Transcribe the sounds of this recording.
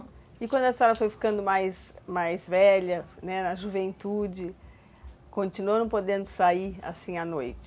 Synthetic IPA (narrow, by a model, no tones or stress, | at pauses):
ɪkwɐ̃nd̪ʊɐist̪ɔɾɐfojfi̥kɐ̃nd̪ʊmajsmajzvɛʎɐnɛnɐʒuvẽnt̪ud͡ʒɪ | kõnt͡ʃinuoɾɐ̃pod̪ẽnd̪ʊsaia̰sĩanojt͡ʃɪ̥